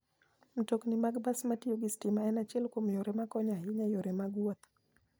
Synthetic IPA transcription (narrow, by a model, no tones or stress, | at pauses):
m̩toknimaɡbasmatioɡɪstimaɛnat͡ʃɛlkomjoɾɛmakɔɲaɦiɲajoɾɛmaɡwɔt̪